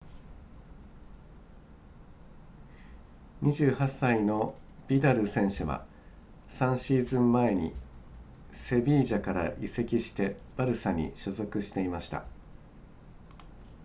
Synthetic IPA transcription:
ɲ̟iʑɨːhasːaino̞b̥ʲid̪aɾɯ̟sẽ̞ɰ̃ɕɨβa̰ | sãɰ̃ɕiːzɨ̃mːae̞ɲ̟ḭ | se̞bʲiːʑakaɾa̰ʔise̞kʲiɕi̥t̪e̞b̥aɾɯ̟saɲ̟ḭɕozo̞kɯ̟ɕi̥t̪e̞imaɕi̥t̪a̰

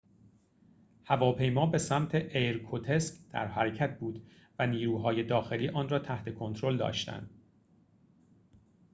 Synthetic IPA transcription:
hævɒːpʰe̞jmɒːbe̞sæmt̪ʰe̞ʔejɾkʰot̪ʰeskd̪̥æ̰ɾɦæɾecʰæt̪̚ʰbuːd̪ | væniːɾuːɦɒːje̞d̪ɒːxe̞liːʔɒːnrɒːt̪ʰæht̪ʰe̞kʰo̞nt̪ʰɾo̞ld̪ɒ̰ːʃt̪æ̰nd̪̥

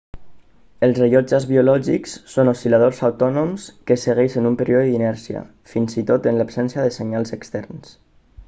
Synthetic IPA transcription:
əlˠzreʎɔd͡ʒazβiulɔʒiksːonosilað̞ozawt̪ɔnomskəsəɣ̞ɛʃənumpəɾioðəðinɛɾsiə̰ | finzit̪ot̪ənlapsɛnsjəðəseɲalˠzəkst̪ɛrns

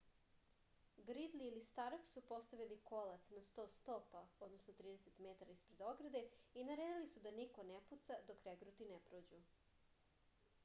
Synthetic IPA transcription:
ɡɾid̪liːlist̪aɾoksupo̞st̪aʋiliko̞lat̪snast̪o̞ːst̪o̞paod̪no̞snot̪ɾiːd̪ese̞t̪me̞t̪aɾaispɾe̞d̪o̞ɡɾad̪e̞inaɾeːd̪ilisud̪aniko̞neput̪sad̪o̞kɾeɡɾut̪inepɾoːd͡ʑu

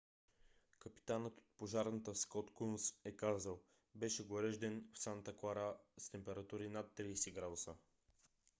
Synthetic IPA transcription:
kəpi̥t̪anət̪o̥t̪̚poʒaɾnət̪əskɔt̪kunsɛkazəlˠ | bɛʃɛɡoɾɛʒd̪ɛnfsant̪əklˠaɾast̪ɛmpɛɾɐt̪uɾinat̪ːɾiːsɛɡɾad̪ʊsə

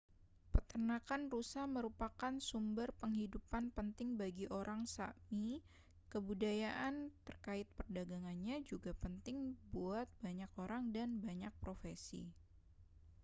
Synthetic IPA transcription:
pərt̪ərnakanrusahməɾupakansumbərpəŋhidupanpənt̪ɪŋbaɡiʔoɾʔaŋsa̰mi | kəbudajaʔant̪ərkaɪt̪̚pərdaɡaŋanɲad͡ʒuɡapənt̪ɪŋbuat̪̚baɲakoɾaŋdanbaɲak̚pɾofesḭ

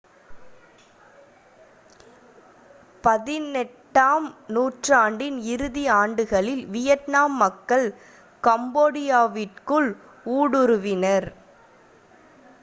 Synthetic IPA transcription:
pɐðɪnɛʈːaːmnuːʈraːɳɖɪnɪɾɯðiaːɳɖɯɣɐɭɪlʋɪjɐtnaːmːɐkːɐɭ | kɐmboːɽɪjaːʋɪrkɯɭ | uːɽɯɾɯʋɪnɐɾ

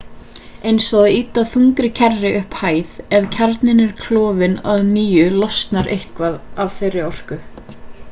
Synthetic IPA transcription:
ejnsɔɣðiːt̪aðfuŋkɾɪcʰɛrːɪʔʏhphaːjðɛðcʰaɾt̪nɪnɛɾ̥kʰlɔːvɪna̰ðniːjʏlɔst̪naɾḛjht̪kvaðavθejrːɪɔr̥kʏ

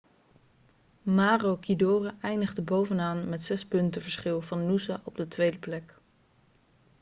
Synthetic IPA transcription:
maːrowkidoːrəʔɛjndəχdəbowvənaːnmɛtsɛspɵntəvəɹsχɪlˠvɑnːuzaʔɔb̚dətʋejdəplɛk

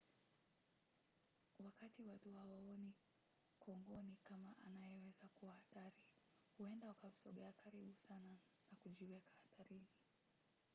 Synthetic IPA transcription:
wakatiwatuhawaɔni | kʰɔŋɡɔnikamaʔa̰najɛwɛzakuwahaθaɾi | huɛndaukam̩sɔɠɛakaɾiɓusana | nakuʄiwɛkḁhaθaɾini

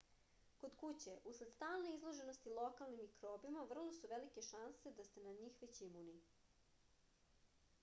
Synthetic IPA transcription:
ko̞d̪kut͡ɕe̞ʔusled̪̥st̪aːlˠne̞izlˠo̞ʒe̞nost̪ilˠokalˠnimikɾoːbimaʋr̩lˠo̞suʋelike̞ʃanse̞d̪ast̪enaɲiːxʋet͡ɕimuni

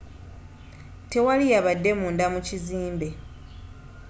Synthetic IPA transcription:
te̞walijaβadːe̞muːndamuciziːmbe̞

